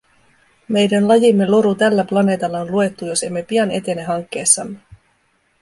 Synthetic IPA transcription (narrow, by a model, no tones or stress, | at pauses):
me̞jdænlɑjimːe̞lo̞ɾut̪ælːæplɑne̞ːt̪ɑlːɑonlue̞t̪ːujo̞se̞mːe̞piɑnet̪e̞neɦɑŋk̟ːe̞ːsːɑmːe